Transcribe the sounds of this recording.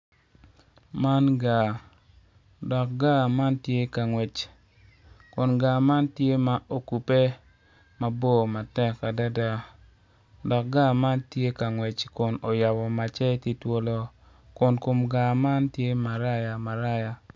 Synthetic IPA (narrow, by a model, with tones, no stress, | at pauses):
ma˦nɡa˨ | dɔ˨k̚ɡa˦ma˦ntje˦ka˨ŋwɛ˨t͡ʃ | kʊ˨nɡa˨ma˦ntje˦ma˨ʔo˨ku˨pe˦ | ma˨bo˦˨ma˨tɛ˦kːa˨da˦da˦ | dɔ˨k̚ɡa˦ma˦ntje˦ka˨ŋwɛ˨t͡ʃkʊ˨no˨ja˨bɔ˨ma˨t͡ʃɛ˦ti˦two˦lo˦ | kʊ˨nko˨mɡa˨ma˦ntje˦ma˨ɾa˦ja˨ma˨ɾa˦ja˨